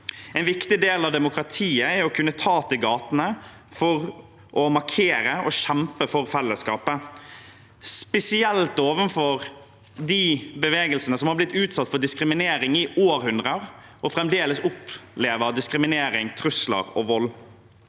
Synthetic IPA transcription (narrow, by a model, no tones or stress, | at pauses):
ɛɪnʋɪkt̪ɪd̪eːlɑʋd̪ɛmʊkɾɑt̪ʰiːəɛɾɔkʰʉnːət̪ʰɑːt̪ɪɡɑːt̪ənə | fɔɾ | ʔɔmɑɾkʰeːɾəɔʃɛmpəfɔɾfɛlːəskɑːpə | spɛsɪɛlt̪oːʋənfɔɾ | d̪ibəʋeːɡəlsənəsɔmhɑɾblɪt̪ːʉːt̪sɑt̪ːfɔɖ̪ɪskɾɪmɪneːɾɪŋɪoːɾhʉnd̪ʁəɾ | ɔfɾɛmd̪eːləsʊpleːʋəɾd̪ɪskɾɪmɪneːɾɪŋt̪ʰɾʉslə̰ɾɔ̰ʋɔlː